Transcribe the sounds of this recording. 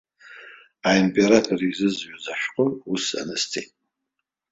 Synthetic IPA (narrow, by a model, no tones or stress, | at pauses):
aimpʼe̞ɾatʰorizɨzʕazaʃᶣqʼʊusa̰nɨstʰitʼ